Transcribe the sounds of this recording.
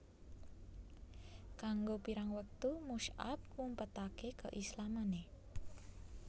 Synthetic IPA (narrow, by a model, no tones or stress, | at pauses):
kaŋɡopiɾaŋwək̚t̪umuʃa̰t̪̚kumpət̪akekə̰ʔislamane